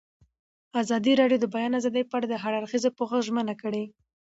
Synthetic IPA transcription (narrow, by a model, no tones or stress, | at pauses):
azɑd̪iɾɑɖijod̪əbajɑnazɑd̪əjpəaɽad̪əɦaɽaɾxizopoxəxʒmənakəɽe